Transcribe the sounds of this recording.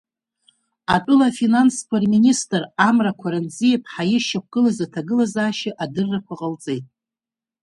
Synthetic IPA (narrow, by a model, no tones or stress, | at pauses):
atʼʊlafinanskʷʰarministʼramrakʷʰaɾanzijepʰʼħajɪʃak̚ʷɡ̥ɨlazatʰaɡɨlazaːʃɪʔadɨrːakʷʰaqʼəlt͡sʼe̞jtʼ